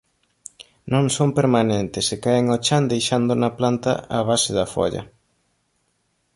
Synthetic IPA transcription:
nõŋsompeɾmanẽnt̪ɪsɪkaɪŋot͡ʃand̪ejʃand̪ʊnaplant̪ɐ̰aβ̞asɪðɐfɔ̰ʎɐ̰

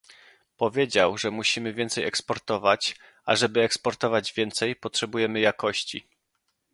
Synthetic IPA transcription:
pɔvʲjed͡ʑawʐɛmuɕimɘvʲjɛnt̪sɛjɛkspɔɾt̪ɔvat͡ɕ | ʔaʐɛbɘɛkspɔɾt̪ɔvad͡ʑvʲjɛnt̪sɛjpɔtʂɛbujɛmɘjakɔɕt͡ɕḭ

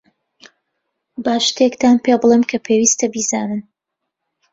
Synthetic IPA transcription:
baːʃt̪ekt̪aːnpʰebɨlˠemkʰɐpʰeːwiːst̪ɐbiːzaːnɨn

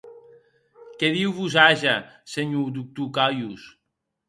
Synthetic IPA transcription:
kɛðiwβuzaʒaseɲud̪uk̚t̪ukajus

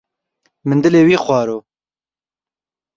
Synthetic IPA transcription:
mɨnd̪ɨleːwiːxwɑːɾoː

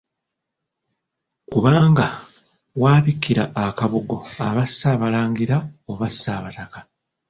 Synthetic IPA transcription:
kuβaːŋɡa | waːβikʰːiɾaːkaβuɡo̞aβasːaːβalaːŋɡiɾaoβasːaːβatakḁ

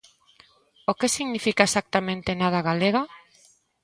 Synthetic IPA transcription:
okesiɣnifikaesak̚t̪amẽnt̪enað̞aɣaleɣa

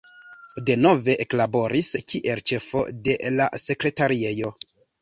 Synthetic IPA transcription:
de̞no̞ve̞ʔeklabo̞ɾiskiʔe̞lt͡ʃe̞fo̞̰de̞la̰se̞kɾe̞taɾie̞jo̞

